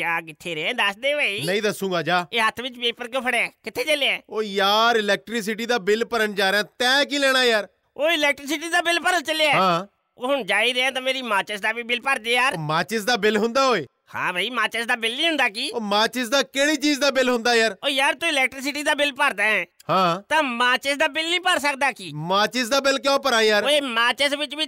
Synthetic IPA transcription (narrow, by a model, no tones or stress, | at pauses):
d͡ʒaːkɪt̪ʰːeːɾeɛ̃ːd̪əsd̪eːʋəːiːnəĩːd̪əsũːŋɡaːd͡ʒaːeːɦət̪ʰʋɪt͡ʃpeːpəɾkəpʰəɽaːkɪt̪ʰːeːt͡ʃəleɛːoːjaːɾɪlɛːk̚ʈɾɪs̬ɪʈiːd̪aːbɪlpəɾənd͡ʒaːɾeãːt̪ɛ̃ːk̬iːlɛːɽ̃aːjaːɾ | oːɪlɛːk̚ʈɾɪs̬ɪʈ̬iːd̪aːbɪlpəɾənt͡ʃəleaɦãː | oːɦʊɳd͡ʒaːiːɾeãːt̪̬ãːmeːɾiːmaːt͡ʃəsd̪aːbiːbɪlpaːɾd̪eːjaːɾomaːt͡ʃɪsd̪aːbɪlɦʊnd̪aːɦoːeː | hã̰ːbʱəːiːmaːt͡ʃəsd̪aːbɪlːiːɦʊ̃nd̪aːkiːoːmaːt͡ʃɪsd̪aːkeːɽiːt͡ʃiːzd̪aːbɪlɦʊ̃nd̪aːjaːɾoːjaːɾt̪ʊɪlɛːk̚ʈɾɪs̬ɪʈiːd̪aːbɪlpəɾd̪aːɛ̃ː | hãːt̪ãːmaːt͡ʃɪsd̪aːbɪlnĩːpəɾsək̚d̪aːkiːmaːt͡ʃɪsd̪aːbɪlkjõːpəɾaːjaːɾeːmaːt͡ʃəsʋɪt͡ʃbiː